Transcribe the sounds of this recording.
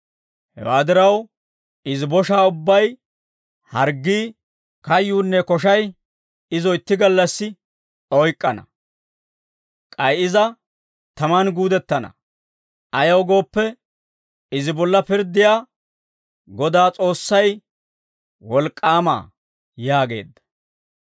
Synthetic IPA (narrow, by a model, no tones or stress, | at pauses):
hɛ̰waːd̪ɪɾɐw | ɪzɪbɔʃaːʊbːɐj | hɐɾɡːiː | kɐjːuːnːɛkɔʃ̬ɐj | ɪzɔjɪt̪ːɪɡɐlːɐsːɪ | ʔɔjkʼːɐnɐ̰ | kʼɐjʔɪzɐ | t̪ɐmɐnɡuːd̪ɛt̪ːɐnɐ̰ | ʔɐjɐwɡo̞ːpːɛ | ɪzɪbɔlːɐpɪɾd̪ːɪjaː | ɡɔd̪aːt͡sʼo̞ːsːɐj | wɔlkʼːaːma̰ː | jaːɡe̞̰ːd̪ːɐ̥